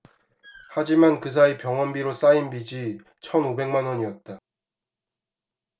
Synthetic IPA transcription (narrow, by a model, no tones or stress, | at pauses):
had͡ʑimankɯs̬ʰaepjʌŋwʌnbiɾos͈ainbid͡ʑi | t͡ɕʰʌnobe̞ŋmanwʌɲiʌt̚t͈a